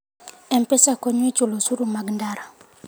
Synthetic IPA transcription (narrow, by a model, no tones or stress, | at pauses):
ɛmpɛsakɔɲwit͡ʃulosuɾumaɡndaɾa